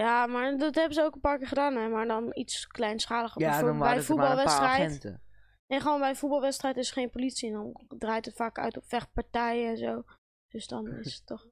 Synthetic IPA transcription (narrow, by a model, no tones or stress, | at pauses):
jamaɹdɑtɦɛbəzəowkənpaːɹkɪːɹχədaːnɛmaːɹdɔnitsklɛjnsχaːləχɛbɛjfubɑlˠʋɛstrɛjtntə | neχəʋoːnbɛjəfut̚bɑlˠʋɛtstrɛjtɪsəχejnpolitsindɔndraːjtətfaːkœ̰ɥtɔpʋɛχpaɹtɛjəɛnzow | d̥øsdɔnɪ̰sə̥tːɔχ